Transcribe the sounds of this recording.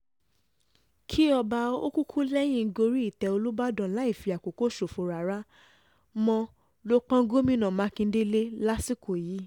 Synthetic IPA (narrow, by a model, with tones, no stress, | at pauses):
kʰi˦ɔ˧ba˧o˦ku˦kʰu˦lɛ˦j̃ĩ˦˧˦ɡo˧ɾi˦i˦˨tɛ˧o˧lu˦ba˦dɔ̃˨˦la˦i˦˨fi˧a˨ko˨ko˨˦ʃo˨fo˧˨ɾa˨˦ɾa˦ | mɔ̃˧ | lo˦k͡pã˦ɡo˦mĩ˧˦nã˨mã˨˦kĩ˧˦de˦le˦la˦si˦ko˨jiː˨˦